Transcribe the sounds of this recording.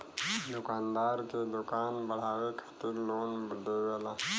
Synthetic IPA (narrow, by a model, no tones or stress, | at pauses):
d̪ʊkaːnd̪aːɾked̪ʊkaːnbɐɽ̤aːwekə̥ft̪iloːnbəɖ̪ewela